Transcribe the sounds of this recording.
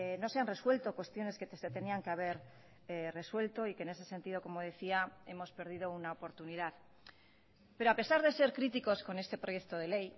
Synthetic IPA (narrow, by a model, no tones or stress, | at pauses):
no̞se̞anre̞swe̞lt̪o̞kwe̞st̪jo̞ne̞ske̞t̪eset̪e̞niaŋke̞aβ̞e̞ɾ | re̞swe̞lt̪o̞ikene̞se̞se̞nt̪ið̞oko̞mo̞ð̞e̞θiae̞mo̞spe̞ɾð̞ið̞ounaopo̞ɾt̪uniðað | pe̞ɾoape̞saɾðe̞se̞ɾkɾit̪iko̞sko̞ne̞st̪e̞pɾojekt̪o̞ð̞e̞le̞j